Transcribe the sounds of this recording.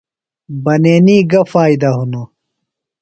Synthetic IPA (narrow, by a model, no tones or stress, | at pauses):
bɐneːniːɡɐfaːid̪ɐɦunu